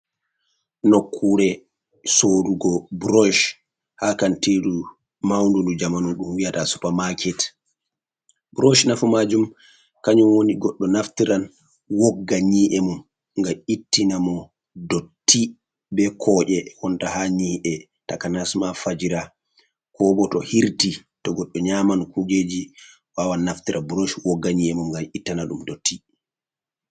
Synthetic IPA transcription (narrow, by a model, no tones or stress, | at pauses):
nokʰːuɾɛ | soɾuɡɔbɾɔʃ | hakantidu | mawndundud͡ʒamanuɗumwijatasu̥pamakʰɛt | bɾɔʃnafumad͡ʒum | kaɲumwoniɡɔɗːɔnaftiɾan | wɔɡːaɲiːʔɛmum | ŋɡaitːinamɔ | dotːi | bɛkʰɔːʔɛwɔntahaɲiʔɛ | takanasmafad͡ʒiɾa | kʰɔɓɔtɔhiɾtitɔɡɔɗːɔɲaːmankuɡed͡ʒi | wawanːaftiɾʔabɾoʃwɔɡːaɲiɛmumŋɡaitːanaɗumdotʰːi